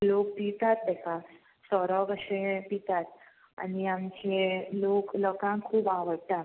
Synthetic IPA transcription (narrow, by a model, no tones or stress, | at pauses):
lok̚pit̪at̪̚bɛka | sɔɾɔɡəʂepit̪at̪ | a̰niamt͡ɕelokləkãkʰːuːbaʋəɽt̪a